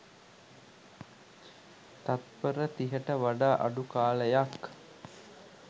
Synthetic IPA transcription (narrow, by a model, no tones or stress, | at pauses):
t̪at̪̚pəɾət̪iɦəʈəʋaɖaːʔa̰ɖukaːləjak